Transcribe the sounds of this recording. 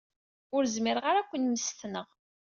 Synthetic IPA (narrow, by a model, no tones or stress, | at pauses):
ʊɾzmɪɾʁaɾækʷːənməst̪nəʁ